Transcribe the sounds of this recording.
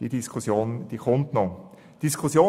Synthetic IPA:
d̥idiskʰusjoːnd̪̥ikʰʊnt̪nɔ | d̥iskʰʊsjoː

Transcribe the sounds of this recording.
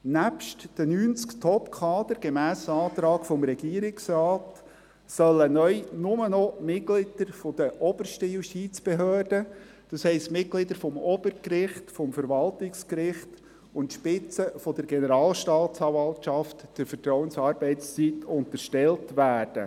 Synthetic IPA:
næpʃtd̥ənyːnt͡skt̪ʰɔpkʰɑːd̥̪əɾɡ̥emæːsɑːt̪ɾɑːɡfɔmɾɛɡiːəɾɪksɾɑːt | sœlːənœʏnʊmənɔmɪt̚klɪd̥əɾfɔd̥̪əʔɔbərʃtəjuʃtit͡sb̥eɦøːrdə | d̥ɑshɛɪstmɪt̚klɪd̪əɾfɔmɔb̥əɾkrɪχtfɔmfəɾʋɑltɪkskɾɪχt | ʊntʃpɪt͡səfɔd̥əɾɡenəɾɑːlʃtɑːtt͡sɑvɑltʃɑftd̥ɪɾfərtɾɔwənsɑːɾbɛɪtst͡sitʊnt̪əɾʃtɛltʋæːrd̥ə

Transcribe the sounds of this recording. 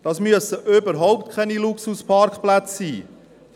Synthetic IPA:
d̥ɑːsmyəsəʔøbəɾɦɔʊptkʰɛniluksuspʰɑɾkχplæt͡sːiː

